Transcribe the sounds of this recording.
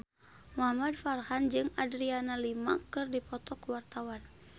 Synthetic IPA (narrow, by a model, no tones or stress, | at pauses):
mɔɦamadfarhand͡ʒɨŋadɾianalima̰kɨrdipɔt̪ɔkwart̪awan